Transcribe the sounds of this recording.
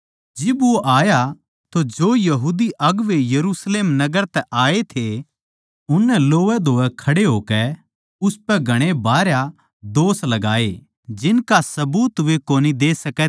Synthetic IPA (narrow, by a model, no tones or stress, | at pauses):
d͡ʒɪbʋoʔaːja | t̪od͡ʒoːjɐɦuːd̪iʔɐɡʋejɐɾuːsleːmnɐɡəɾt̪ɛʔaːet̪ʰe | ʊnːɛ̃loːʋɛd̪ʱoːʋɛkʰɐɽeɦoːkɛ | ʊspɛɡʱɐɽ̃ebaːɾja | d̪oːslɐɡaːe | d͡ʒɪnkasɐbuːt̪ʋekoːnid̪eːsɐkɛ